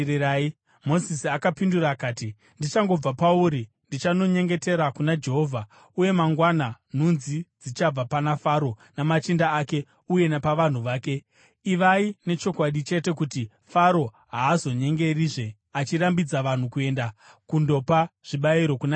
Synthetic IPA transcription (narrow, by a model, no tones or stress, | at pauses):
iɾai | mo̞zisiakapinduɾaːkaːti | ndit͡ʃaŋɡo̞b͡vapauɾi | ndit͡ʃano̞ɲe̞ŋɡe̞te̞ɾakunad͡ʒe̞ɦo̞vʱa | uje̞maŋɡwanan̤unzid͡zit͡ʃab͡vapanafaɾo̞namat͡ʃindaːke̞ | uje̞napaʋan̤uʋaːke̞ | iʋaine̞t͡ʃo̞kwaɗit͡ʃe̞te̞kuti | faɾo̞ | ɦaːzo̞ɲe̞ŋɡe̞riʐe̞ | at͡ʃirambid͡zaʋan̤ukue̞nda | kundo̞paʐ̥iɓaiɾo̞kuna